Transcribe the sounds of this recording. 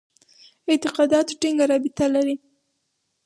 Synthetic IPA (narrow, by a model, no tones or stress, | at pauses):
ɪt̪ɪqɑd̪ɑt̪ʈiŋɡaɾɑbɪt̪alaɾi